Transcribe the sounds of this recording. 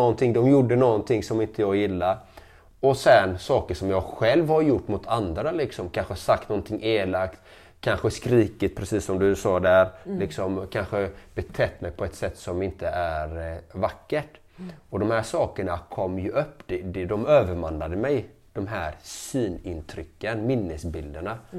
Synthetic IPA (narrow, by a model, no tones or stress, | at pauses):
ɔnt̪ʰɪŋd̪ɔmjʊɖːənɔɡnt̪ʰɪŋsɔmɪnt̪ʰəjɑːɡjɪlːaɾ | ɔsɛnsɑːkəʂɔmjɑːɡɧɛlvhaɾjʊʈːmʊt̪ʰand̪ɾalɪksɔmkʰanɧəasakt̪nɔnt̪ʰɪŋːeːlakt̪ | kʰanɧəskɾiːkət̪̚pʰɾɛsiːsːɔmd̪ɵsɑːd̪æɾlɪksɔmkʰanɧəb̥ɛt̪ʰɛt̪ːmɛjpʰɔɛt̪sɛt̪ːsɔmɪnt̪əʔæɾvakːəʈ | ɔd̪ɔmhæːʂɑːkəɳakʰɔmːjɵʔɵpːd̪̥ɛd̪d̪ɔmøːvəɾmanlad̪əmɛj | d̪̥ɔmɦæːɾsiːnɪnt̪ʰɾʏkːənmɪnːəsbɪld̪əɳa